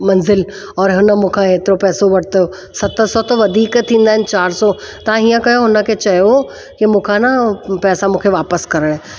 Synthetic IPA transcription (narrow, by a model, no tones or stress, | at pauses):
mɐnzɪl | ɔːɾɦʊnə̆mũːkʰãeːt̪ɪɾopɛːsoʋɐɽ̤t̪əjo | sɐt̪ʰəsɔt̪oʋɐd̪ʱiːkt̪ʰĩːnd̪aːɦɪ̃nɪ̆t͡ɕaːɾsɔ | t̪ɐʋ̤ãiːə̃kɐjoɦʊnə̆kʰet͡ɕɐɦijo | kimũːkʰãnɐpɛːsamũːkʰeʋaːpəskɐɾəɽ̃ɛ